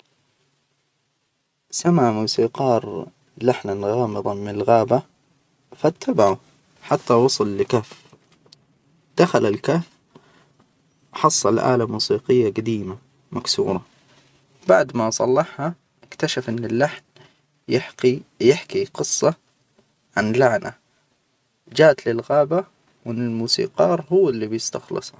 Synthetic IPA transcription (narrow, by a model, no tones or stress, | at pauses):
samaʕmuːsiːqɑːɾˤ | laħnanɣɑːmɨðˤɑmɪnɪlɣaːba | fat̪ʰːabaʕu | ħat̪ːawɑsˤʊlːɪkaːf | d̪̥axalalkaf | ħɑsˤːɑlʔa̰ːlamuːsiːqɪjːaɡad̪iːma | maksṵːɾˤɑ | baʕd̪masˤɑlːɑħha | ʔɪkt̪aʃafʔɪnːɪlːaħn | jjɪħkiqɨsˤːɑ | ʕanlaʕna̰ | d͡ʒaːʔt̪lɪlɣaːba | wɪnːɪlmuːsḭːqɑːɾˤɦʊwːɪlːibjɪst̪axlɨ̰sˤ